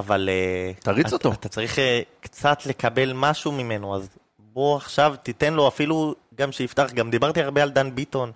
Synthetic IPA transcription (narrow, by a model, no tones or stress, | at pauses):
avalet̪aʁit͡sot̪oat̪at͡saʁiχekt͡sat̪le̞kabe̞lmaʃumime̞noaz | bo̞aχʃavt̪it̪e̞nlo̞afilu | ɡamʃeift̪aχɡamd̪ibaʁt̪iaʁbeald̪anbit̪o̞n